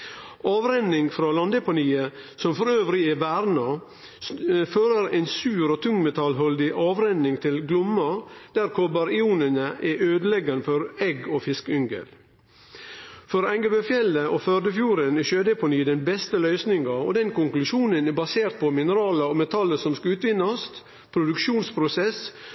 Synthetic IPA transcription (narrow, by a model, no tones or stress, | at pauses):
ɑːʋɾɛnːɪŋfɾɑːlɑnd̪ɛpʊniːəsɔmfɔɾøːʋɾɪɛʋæɾnɑ | føːɾəɾɛɪnsʉːɾoːt̪ʰʉŋmɛt̪ʰɑlɦɔld̪ɪʔɑːʋɾɛnːɪŋt̪ʰɪlɡlʊmːɑd̪̥æɾkʰɔbɑɾɪuːnənəʔɛʔøːd̪əlɛɡɑnəfɔɾɛɡoːfɪskʏŋɡə̰l | fɔɾæŋɡəbəfjɛlːəʔoføɾd̪əfjuːɾənɛʃøːd̪əpʰɔnyːd̪ɛnbɛst̪əlœʏsnɪŋɑɔ̰d̪ɛnkʊŋklʉʃuːnənɛbɑseːɾt̪̚pʰɔmɪnəɾɑːlɑɔmɛt̪ʰɑlːəsɔmskɑʉːt̪ʋɪnːɑst̪ | pʰɾʊd̪ʉkʃuːnspʰɾʊsɛs